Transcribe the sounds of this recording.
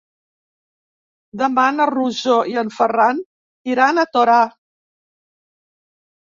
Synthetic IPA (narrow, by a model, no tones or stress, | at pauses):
d̪əmanəruzoiənfəran | t̪iɾanət̪oɾa